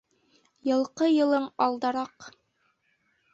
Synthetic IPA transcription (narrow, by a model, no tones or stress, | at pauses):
jɤ̆lˠqɤjɤ̆lˠɤɴɑlˠd̪ɑɾɑq